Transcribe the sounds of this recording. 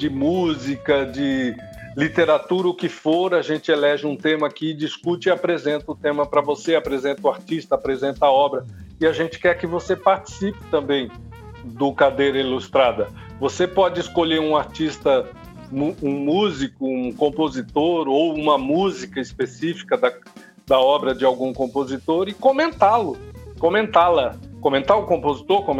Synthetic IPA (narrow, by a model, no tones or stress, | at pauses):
d͡ʒɪmuzikɐd͡ʒɪ | lit̪eɾat̪uɾɐʊkɪfoɾaʒẽnt͡ʃɪelɛʒɪũt̪ẽmɐkɪd͡ʒiskut͡ʃiapɾezẽnt̪ɐʊt̪ẽmɐpɾɐvoseapɾezẽnt̪ɐʊaɾt͡ʃist̪ɐapɾezẽnt̪aɔbɾɐiaʒẽnt͡ʃɪ̥kɛɾkɪvosepaɾt͡ʃi̥sipɪ̥t̪ɐ̃mbẽj̃ | d̪ʊkad̪ejɾɐilust̪ɾad̪ɐ | vosepɔd͡ʒɪɪskoʎeɾũaɾt͡ʃist̪ɐ | muũmuzikʊũkõmpozit̪oɾowũmɐmuzikɐispesifi̥kɐd̪ɐ | d̪ɐɔbɾɐd͡ʒɪawɡũkõmpozit̪oɾɪkõmẽnt̪alʊkõmẽnt̪alɐkõmẽnt̪aʊkõmpozit̪oɾkõm̃